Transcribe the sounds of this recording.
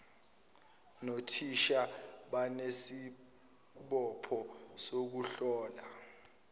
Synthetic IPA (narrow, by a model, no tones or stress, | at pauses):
notʰiʃaɓanesi | ɓɔpʰɔsok̬uɬɔːla